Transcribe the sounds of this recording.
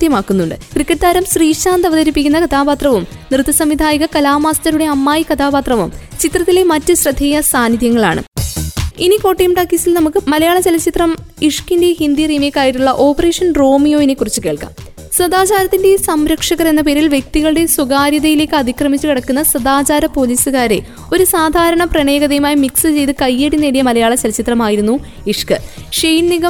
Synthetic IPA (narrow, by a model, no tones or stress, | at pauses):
d̪jɐmaːkːunːuɳɖɨ̰krikːɐʈːaːɾɐmsriːʂaːnd̪ɐʋɐðɐɾipːikʲːunːɐkɐt̪ʰaːbaːt̪rɐʋumnrɨt̪ːɐsɐmːid̪ʱaːjiɣɐkɐlaːmaːstɐɾuɽe̞ɐmːaːjikɐt̪ʰaːbaːt̪rɐʋumt͡ɕit̪rɐt̪ːilemɐtːɨɕrɐd̪ʱːeːjɐsaːniðjɐŋːɐɭaːɳɨ̰ | iniko̞ːʈːijɐmʈɐkːisilnɐmukːɨmɐlɐjaːɭɐt͡ɕelɐt͡ɕit̪rɐm | iʂkindehind̪iriːmejkːaːjiʈːuɭːɐʔo̞ːpɐreːʂɐnro̞ːmijo̞ːjinekːurit͡ɕːuke̞ːɭka̰ːm | srɐd̪aːt͡ɕaːɾɐt̪ːinde̞sɐmɾɐkʂɐɣɐre̞nːɐp̬eːɾilʋje̞k̚t̪iɣɐɭɨɽe̞suɣaːɾjɐðɐjile̞ːkʲːɨɐd̪ʱikrɐmit͡ɕːukiɽɐkːunːɐsɐd̪aːt͡ɕaːɾɐpo̞ːliːsɨɣaːɾe̞̰ | o̞ɾusaːd̪ʱaːɾɐɳɐprɐɳeːɡɐðɐjumaːjimiksɨt͡ɕe̞jt̪ɨkɐjːeɽinːeɽijɐmɐlɐjaːɭɐt͡ɕɐlɐt͡ɕit̪rɐmaːjiɾunːu | iʂkɨʂejnniɣɐ